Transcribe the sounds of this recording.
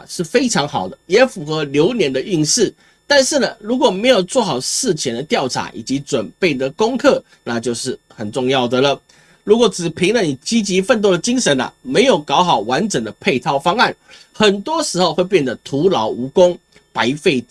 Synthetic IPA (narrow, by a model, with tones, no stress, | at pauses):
ʂɻ̩˥˩fe˥ɪʈ͡ʂʰɑ˧˥ŋxɑ˨˩ʊd̪ə˦jɛ˧˦˥fu˨˩xɤ˧˦˥ljo˧˥ʊnjɛ˧˥nd̪ə˧y˥˧nʂɻ̩˥˩ | t̪a˥˧nʂɻ̩˥˩nə˩ɻu˧˥kwɔ˨˩me˧˥ɪjo˨˩ʊt͡swɔ˥˩xɑ˨˩ʊʂɹ̩˥˩t͡ɕʰjɛ˧˥nd̪ə˧t̪jɑ˥˩ʊʈ͡ʂʰa̰˧˥ʔḭ˨˩t͡ɕi˧˥ʈ͡ʂwə˨˩npe˥˩ɪd̪ə˩kʊ˥ŋkʰɤ˥˩ | na˥˧t͡ɕjo˥˧ʊʂɻ̩˥˩ | xə˨˩nʈ͡ʂʊ˥˧ŋjɑ˥˩ʊd̪ə˩lə˩ | ɻu˧˥kwɔ˨˩t͡sɹ̩˨˩pʰi˧˥ŋlə˨ni˨˩t͡ɕi˥t͡ɕi˧˥fə˥˧nt̪̬wd̪ə˩t͡ɕi˥ŋʂə˧˥na̰˨me˧˥ɪjo˨˩ʊkɑ˧˥ʊxɑ˨˩ʊwa˧˦nʈ͡ʂə˨˩ŋd̪ə˦pʰe˥˧ɪt̪ʰɑ˥˧ʊfɑ˥ŋa˥˩n | xə˨˩nt̪wɔ˥ʂɻ̩˧˥xo˧ʊxwe˥˧ɪpjɛ˥˩nd̪ə˩t̪ʰu˧˥lɑ˧˥ʊu˧˥kʊ˥ŋ | pa˧˥ɪfe˥˩ɪ